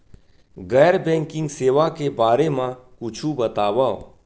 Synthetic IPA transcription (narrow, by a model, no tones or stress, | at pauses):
ɡɛːɾbɛ̃ːŋkɪ̃ŋɡseːʋakebaːɾemãkʊt͡ʃʰubɐt̪aːwaːo